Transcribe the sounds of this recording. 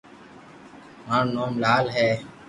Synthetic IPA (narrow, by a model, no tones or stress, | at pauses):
maːɳnoːmlaːlɦɛː